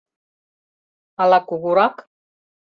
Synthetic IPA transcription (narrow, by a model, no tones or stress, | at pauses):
alakuɣuɾak